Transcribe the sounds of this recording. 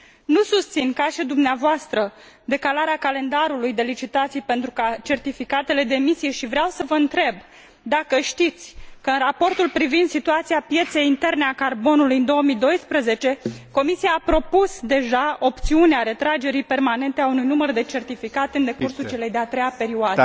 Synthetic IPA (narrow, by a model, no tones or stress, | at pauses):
nusust̪sinkaʃed̪umneavoast̪ɾə | d̪e̞kalaɾeakale̞nd̪aɾulujd̪e̞lit͡ʃit̪at̪sijpe̞nt̪ɾukat͡ʃe̞rt̪ifikat̪e̞le̞d̪emisije̞ʃivɾeawsəvəɨnt̪ɾe̞b | d̪akəʃt̪it̪sʲkəɨnrapo̞rt̪ulpɾivind̪sit̪uat̪siapje̞t̪se̞jint̪e̞rneakarbo̞nulujɨnd̪o̞omid̪o̞jspɾəze̞t͡ʃe̞ko̞misijaːpɾo̞pusd̪e̞ʒao̞pt̪siuneaɾe̞t̪ɾad͡ʒe̞ɾijpe̞rmane̞nt̪eaunujnumərd̪e̞t͡ʃe̞rt̪ifikat̪eɨnd̪e̞kursut͡ʃe̞le̞jd̪eat̪ɾejape̞ɾiuoad̪ə